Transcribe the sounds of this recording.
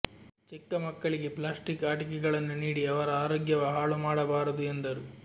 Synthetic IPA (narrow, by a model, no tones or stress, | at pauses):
t͡ʃikːɐmɐkːɐɭiɡe̞plaːsʈikaːʈɐk̬ɛɡɐɭɐnːuniːɽiɐʋɐɾɐaːɾoːɡjɐʋɐɦaːɭumaːɽɐbaːɾɐd̪uend̪ɐɾu